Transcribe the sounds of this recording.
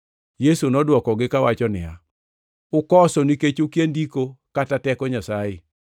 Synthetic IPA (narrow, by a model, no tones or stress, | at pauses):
jesunɔdwɔkɔɡɪkawat͡ʃɔnɪja | ʊkɔsɔniket͡ʃokjendikokatatɛkɔɲasae